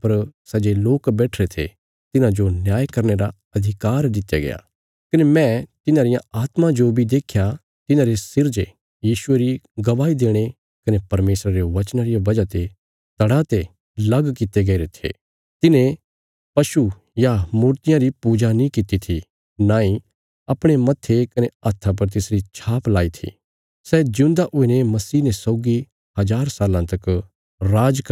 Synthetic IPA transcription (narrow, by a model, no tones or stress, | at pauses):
pɐɾsɐd͡ʒeloːkbɛːʈʰɾet̪ʰḛ | t̪ɪnãd͡ʒonjaːjkɐɾneɾa | ɐd̪ʱɪkaːɾd̪ɪt̪ja̰ɡɐ̰ja̰ː | kɐnemɛ̃t̪ɪnãɾɪjãaːt̪mãd͡ʒobʱid̪eːkʰja | t̪ɪnãɾesɪɾd͡ʒe | jiːʃʊeɾiɡɐʋaːid̪eːɽ̃e | kɐnepɐɾmeːsɾaɾeʋɐt͡ʃnaɾɪjaʋɐd͡ʒat̪e | t̪ɐɽat̪e | lɐɡkɪt̪eɡɐiɾet̪ʰḛː | t̪ɪnẽ | pɐʃu | jamuːɾt̪ɪjãɾipuːd͡ʒanĩkɪt̪it̪ʰi | nãːĩ | ɐpɽ̃emɐt̪ʰːekɐneaːt̪ʰːap̬ɐɾt̪̬ɪsɾit͡ʃʰaːplaːit̪ʰḭ | sɛd͡ʒũːnd̪aʔʊinemɐsiːnesɔːɡi | hɐd͡ʒaːɾsaːlãt̪ɐk | ɾaːd͡ʒk